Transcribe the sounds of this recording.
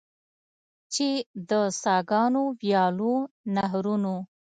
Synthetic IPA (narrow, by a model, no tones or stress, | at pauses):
t͡ʃed̪əsɑɡɑnowjɑlonaɦɾuno